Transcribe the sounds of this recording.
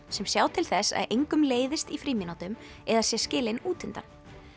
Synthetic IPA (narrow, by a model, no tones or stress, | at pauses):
sɛmsjaːwt̪ʰɪlθɛsːa̰ðʔejŋkʏmleːjðɪst̪ifɾiːminawt̪ʏmɛðasjɛscɪːlɪnuːt̪ʰɪnt̪a̰n